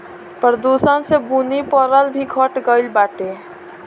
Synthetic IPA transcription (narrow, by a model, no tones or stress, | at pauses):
pəɾd̪usənsebunipəɾəlbʱiɡʱəʈɡəɪlbaʈe